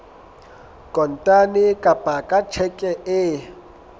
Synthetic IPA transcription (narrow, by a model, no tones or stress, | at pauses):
kʼɔn̩tʼanɪkʼapʼakʼat͡ʃʰɛkʼɛʔɪ